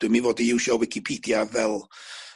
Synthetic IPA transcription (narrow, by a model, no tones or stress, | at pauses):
d̥wɨmivoːdiɪwʃɔwɪkʰipʰiːdjavɛlˠ